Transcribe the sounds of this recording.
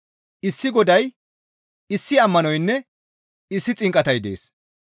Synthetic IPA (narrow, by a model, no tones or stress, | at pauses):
ʔɪsːɪɡɔd̪ɐj | ɪsːɪɐmːɐnɔjnːɛ | ɪsːɪt͡sʼɪŋkʼːɐt̪ɐjd̪ḛːs